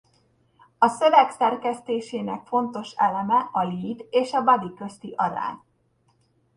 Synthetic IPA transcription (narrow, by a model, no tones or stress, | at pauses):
ɒsø̞vɛksɛrkɛst̪eːʃeːnɛkfo̞nt̪o̞ʃɛlɛmɛʔɒliːt̪eːʃɒbɒd̪ikø̞st̪iʔɒɾa̰ːɲ